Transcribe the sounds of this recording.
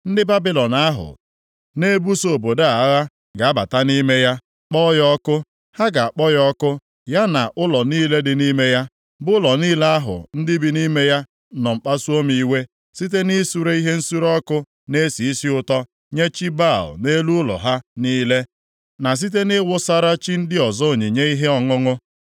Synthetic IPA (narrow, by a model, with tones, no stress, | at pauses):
n̩˦dɪ˦ba˦bi˦lɔ˨na˦ɦʊ̰˨ | ne˦bu˦so˨bo˨da˦a˨˦ɣa˦ | ɡa˨a˦ba̰˨ta˦ni˦me˦ja˦ | k͡pɔ˦jɔ˦kʊ˦ | ha˦ɡa˨a˨k͡pɔ˦jɔ˦kʊ˦ | ja˦na˨ʔʊ˦lɔ˨niː˦le˦dɪ˨ni˦me˦ja˦ | bʊ˦ʊ˦lɔ˨niː˦le˦a˦ɦʊ̰˨n̩˦dɪ˦bi˨ni˦me˦ja˦ | nɔ˨ŋ͡m̩˨k͡pa˦su˦o˦mi˨˦we˦ | si˦t̬e˦ni˦su˦ɾe˦i˦ɦe˦n̩˦su˦ɾɔ˦kʊ˦ | ne˦si˨i˦si˦ʊ˦tɔ˦ | ɲe˦t͡ʃi˦ba˦˨lne˦lu˦ʊ˦lɔ̰˨ɦa˦niː˦le˦ | na˨s̬i˦t̬e˦nɪ˦wʊ˦sa˦ɾa˦t͡ʃi˦n̩˦dɪ˦ɔ˨zɔ˦o˨ɲe˨ɲe˦i˦ɦe˦ɔ˨ŋʊ˦ŋʊ˦